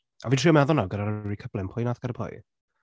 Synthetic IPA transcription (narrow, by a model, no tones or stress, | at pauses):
aviːtʰriːɔmɛðʊnaɡədaɾərikʰəblˠɪnpʰʊjnaθɡaɾəpʰʊ̰j